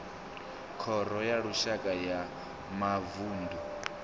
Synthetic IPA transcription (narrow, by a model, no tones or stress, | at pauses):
kʰɔɾɔjaɺuʃakʼaja | mavuːndu